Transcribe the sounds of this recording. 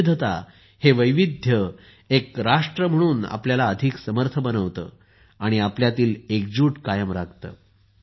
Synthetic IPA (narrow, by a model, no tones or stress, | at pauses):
d̪ʱət̪a̰ | heʋəjʋid̪ʱjə | ekɾaʂʈɾəm̤əɽ̃uːna̰pljalaəd̪ʱiksəməɾt̪ʰəbənəʋt̪ə̰ː | aɽ̃iapljat̪iːlek̚d͡ʑuːʈkajəmɾaɡ̚t̪ə̰ː